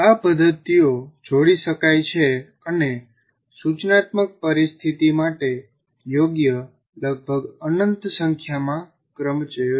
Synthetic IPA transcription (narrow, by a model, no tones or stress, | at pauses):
apəd̪ʱːət̪ijod͡ʒoɽiʃəkajt͡ʃʰe | əne | sut͡ʃnat̪mək̚pəɾist̪ʰit̪imaʈe | joɡjə | ləɡ̚bʱəɡənənt̪səŋkʰjamã | kɾəmt͡ʃəjo